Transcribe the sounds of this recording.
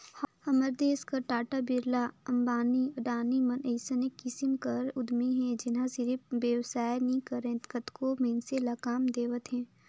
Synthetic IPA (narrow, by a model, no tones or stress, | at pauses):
hhɐməɾd̪eːskɐɾʈaːʈabɪɾlaɐ̃mbaːniɐɖaːnimɐnəɪsənekːɪsɪmkɐɾʊd̪miɦɛ̃d͡ʒɪnɦãsɪɾipʋjəwsaːenɦĩkɐɾẽt̪kət̪komeːnselaːkaːmd̪eːʋət̪ɦɛ̃ː